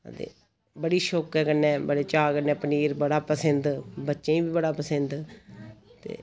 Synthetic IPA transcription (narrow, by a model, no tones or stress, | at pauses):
ə̰t̪ḛː | bəɽiːʃoːkɛːkənːɛ̃ːbəɽeːt͡ʃaːkənɛ̃ːpəniːɾbəɽaːpəsənd̪bətːʃẽːĩːbiːbəɽaːpəsənd̪ | t̪ḛː